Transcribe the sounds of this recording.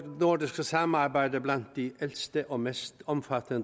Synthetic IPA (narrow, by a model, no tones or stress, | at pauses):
nʊɖɪskəsɑmɑɾbæɪd̪əblɑnt̪̚d̪iːʔɛlst̪əʔoːmɛst̪ɔmfɑt̪ʰənd̪